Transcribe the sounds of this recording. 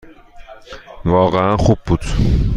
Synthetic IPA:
vɒːɣeænxub̚bud̪̥

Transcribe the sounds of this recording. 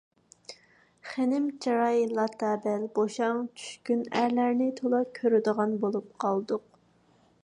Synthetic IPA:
χenɪmt͡ʃɑɾɑjlˠɑt̪ʰːɑːbɛlboʃɑŋt͡ʃʰy̥ʃkʲynæɾlæɾnɪt̪ʰolˠɑkʲʰøɾɪd̪əʁɑnbolˠup̚qʰɑlˠd̪ʊq

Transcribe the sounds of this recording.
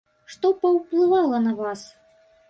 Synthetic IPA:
ʂt̪ɔpɐwplˠɨvalˠɐnɐvas

